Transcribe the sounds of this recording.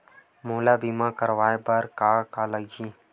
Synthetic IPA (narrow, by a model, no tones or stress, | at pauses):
moːlaːbiːmãːkəɾʋaːebəɾkaːkaːləɡiː